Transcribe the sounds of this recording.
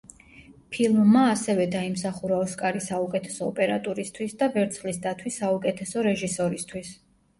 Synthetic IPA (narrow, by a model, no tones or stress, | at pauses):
pʰilˠmːaːsɛvɛd̪aimsaχuɾaɔskʼaɾisaukʼɛt̪ʰɛ̥sɔːpʼɛɾa̰t̪ʼuɾist̪ʰwisd̪avɛɾt̪sʰχlisd̪at̪ʰwisːaukʼɛt̪ʰɛsɔɾɛʒisɔɾist̪ʰwis